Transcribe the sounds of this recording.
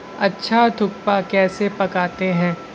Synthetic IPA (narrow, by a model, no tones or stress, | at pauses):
ɐtːʃʰad̪ʱʊkpakɛːsepɐkaːt̪eɦɛ̃ː